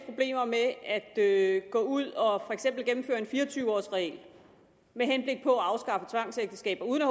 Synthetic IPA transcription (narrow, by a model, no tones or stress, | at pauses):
pʰʁo̝b̥le̝̰ːmɐmeæd̥øɡ̥ɔ̰̽ːuð̰ˠɒ̽fɒ̽eɡ̥sem̰b̥l̩ɡ̥emm̩fø̰ɐe̝nfiːɐt͡sʰyːʊɒ̰ːsʁɛɛ̰ːl | meɦenb̥le̝ɡ̥̚pʰɒ̽æɑ̈ʊsɡ̥ɑ̈fət͡sʰʋɑ̈ŋ̰seɡ̥̚d̥əsɡ̥ɛ̰ːb̥ɐuːð̞ˠənæh